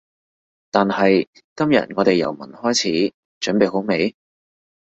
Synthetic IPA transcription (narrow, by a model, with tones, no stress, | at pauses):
t̪aː˨nhɐ˨j | kɐ˥mjɐ̰˨t̚ŋɔː˨˧t̪e˨jɐ̰˨˩wmɐ̰˨˩nhɔː˥jt͡sʰiː˨˥ | t͡ʃɵ˨˥npe˨jɦo˨˥wme˨˧j